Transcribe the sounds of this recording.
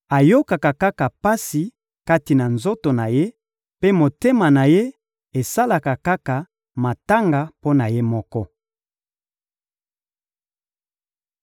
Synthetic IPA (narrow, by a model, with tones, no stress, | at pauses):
a˨jo˦ka˨ka˨ka˦ka˨pa˦si˨ | ka˦ti˨na˨nzo˦to˨na˨je˦ | pe˦mo˨te˦ma˨na˨je˦ | e˨sa˦la˨ka˨ka˦ka˨ | ma˨ta˦ŋɡa˨po˦na˨je˦mɔ˦kɔ˦